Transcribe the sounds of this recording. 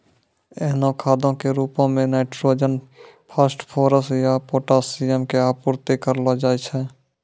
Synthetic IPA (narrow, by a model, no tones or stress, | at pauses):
ɛːnõkʰaːd̪õkeɾuːpõmẽnaːʈɾoːd͡ʒənpʰəsʈpʰoːɾəsjapoːʈasiəmkeaːpʊɾt̪ekəɾlad͡ʒaːjt͡ʃʰɛː